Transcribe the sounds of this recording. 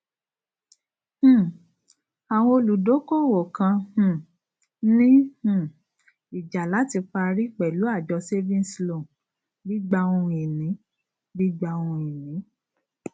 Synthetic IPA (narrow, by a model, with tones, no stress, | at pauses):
h̩˦˨ | a˨w̃ɔ̃˧o˧lu˨do˨˦ko˦˨wo˨kã˧hũ˦˨ | nĩ˦h̩˦˨ | i˨d͡ʒa˨la˨˦ti˧k͡pa˧ɾi˦k͡pɛ˨lu˨˦a˦˨d͡ʒɔ˧se˦vĩ˦n˦slõ˨ | bi˦ɡ͡ba˧ũ˧i˨nĩ˨˦ | bi˦ɡ͡ba˧wũ˧i˨nĩ˨˦